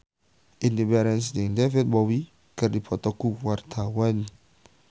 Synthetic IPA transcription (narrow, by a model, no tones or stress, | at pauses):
indibɛɾɛns̬diŋdɛfit̪̚bɔwi | kərdipʰɔt̪ɔkuwart̪ʰawan